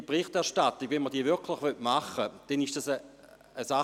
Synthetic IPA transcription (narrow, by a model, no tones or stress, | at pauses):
pʁiχtɛɐʁʃtatiɡ̥vɛnməʁd̥iːəvɪɐkʰlɪχvøtmaχəd̥ɛniʃd̥asə | əsa